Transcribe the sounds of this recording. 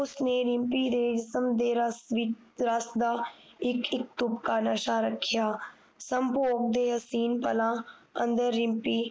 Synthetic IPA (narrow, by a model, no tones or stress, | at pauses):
ʊsneːɾɪ̃mpiːd̪eːd͡ʒsəmd̪eːɾəsʋɪ | ɾəsd̪aː | ɪkʰɪk̚t̪ʊpkaːnəʃaːɾəkʰːɪjaː | səmpoːk̚d̪eːɦəsiːnpəlãːə̰̃nd̪əɾːɪ̃mpiː